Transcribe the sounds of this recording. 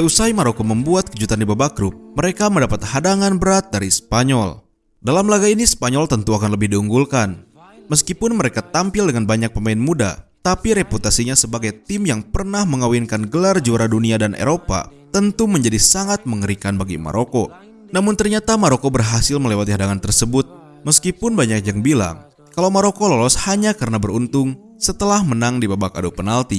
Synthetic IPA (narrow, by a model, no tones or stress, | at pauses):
jəusaimaɾokoməmbuat̪̚kəd͡ʒut̪andibabaɡɾʊp̚məɾekaməndapat̪hadaŋanbəɾat̪̚daɾispaɲɔl | dalamlaɡainispaɲɔlt̪ənt̪uakanləbɪhdiuŋɡulkan | məs̬kipʊnməɾekat̪ampɪldəŋanbaɲak̚pəmainmuda̰t̪apiɾeput̪asiɲasəbaɡajt̪ɪmjaŋpərnahməŋawinkanɡəlard͡ʒuaɾaduniadanʔḛɾopa̰t̪ənt̪uməɲd͡ʒadisaŋat̪̚məŋəɾikanbaɡima̰ɾʔoko | namʊnt̪ərɲat̪amaɾokobərɦasɪlməlewat̪iɦadaŋant̪ərsəbʊt̪̚ | məskipʊnbaɲak̚jaŋbila̰ŋ | kalawmaɾokololɔshaɲakəɾənabərunt̪ʊŋ | sət̪əlahmənaŋdibabaka̰dopənalt̪i